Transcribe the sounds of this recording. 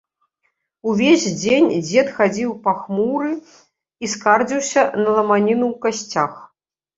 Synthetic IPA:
uvʲezʲd͡zʲenʲd͡zʲɛt̪xad͡zʲiwpaxmuɾɨ | iskard͡zʲiwsʲɐnɐlˠɐmanʲinuwkasʲt͡sʲax

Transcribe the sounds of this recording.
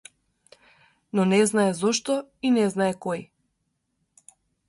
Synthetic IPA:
nɔnɛznaɛzɔʃt̪ɔinɛznaɛkɔj

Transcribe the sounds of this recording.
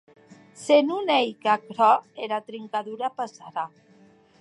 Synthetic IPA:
senunejkakɾɔeɾat̪ɾiŋkaðuɾapasaɾa

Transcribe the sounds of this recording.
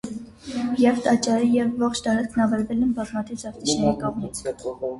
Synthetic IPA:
jɛvt̪ɑt͡ʃɑɾijɛvːɔχt͡ʃʰt̪ɑɾɑt͡skʰnɑvɛɾvɛlɛnbɑzmɑt̪ʰivzɑɾt̪iʃʰnɛɾikɑmmit͡sʰ

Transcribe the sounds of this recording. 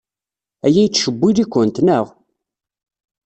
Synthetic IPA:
æjæjt͡sːʃəbːiðikʷːənt̪nəʁ

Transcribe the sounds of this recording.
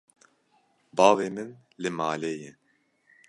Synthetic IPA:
bɑːveːmɨnlɨmaːleːjɛ

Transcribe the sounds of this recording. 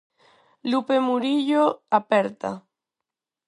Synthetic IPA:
lupemuɾiʎoapeɾt̪a̰

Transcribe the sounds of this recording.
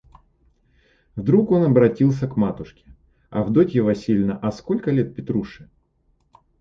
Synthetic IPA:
vd̪ɾuko̞nɐbɾɐtʲilˠs̬ʲəkmat̪ʊʂkʲɪ̥ | ɐ̰vd̪otʲjɪvosʲilʲnəʔɐsko̞lʲkəlʲet̪̚pʲɪt̪ɾuʂɨ

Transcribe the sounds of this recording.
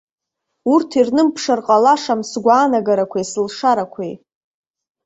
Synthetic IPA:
urtʰirnɨmpʰʂarqʼalaʂamsɡʷaːnaɡaɾakʷʰaisɨlʂaɾakʷʰej

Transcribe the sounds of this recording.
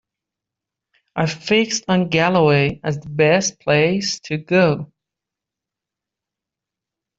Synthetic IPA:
ʔə˞fɪksn̩ɡælˠəweɪɨzðəbɛs̚pʰl̥eɪstʰɨɡoʊ

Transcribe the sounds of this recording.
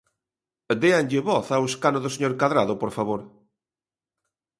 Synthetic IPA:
d̪eanʎeβɔθaweskanoðoseɲoɾkaðɾaðopoɾfaβoɾ

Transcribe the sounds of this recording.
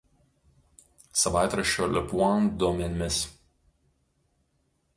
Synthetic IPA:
sɐʋaˑɪt̪ɾɐʃʲoːlʲɛpuɔnd̪ɔmʲɛnʲmʲɪs

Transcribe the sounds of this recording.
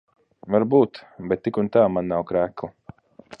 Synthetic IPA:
vaɾbuːt̪bɛt̪ːikunt̪aːmanːawkɾæːklˠa

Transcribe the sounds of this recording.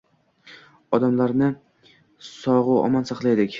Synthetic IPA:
ɒd̪amlaɾnɪ | sɒʁʊɒ̰mansɑqlˠajd̪ɪkʲ

